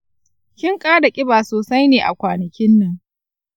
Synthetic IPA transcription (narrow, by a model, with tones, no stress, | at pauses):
kʲɪ˦ŋkʼaː˦da˨kʲʼɪ˦baː˨soː˨sa˦jneː˨ʔa̰˨kʷaː˨nɐ˨kʲɪ˦nːɐ˦ŋ